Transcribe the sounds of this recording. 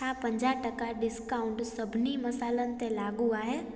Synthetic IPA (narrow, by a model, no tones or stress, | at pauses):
apə̃ɲd͡ʒaʈəkaɖɪskaːʊ̃ɳʈsəbʱnimɐsaːlənɪ̆t̪ẽlaːɡuaːɦɛː